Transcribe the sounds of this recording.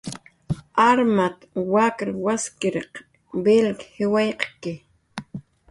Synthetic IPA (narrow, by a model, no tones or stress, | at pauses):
aɾmat̪wakɾawaskɪɾeq | belkhɪwajqkɪ